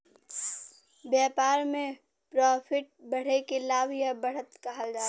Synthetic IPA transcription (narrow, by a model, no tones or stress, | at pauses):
bjɛːpaːɾmẽ | pɾɔːpʰɪʈ̚bəɽ̤ekelaːbʱjabəɽ̤ət̪kaɦəld͡ʒaː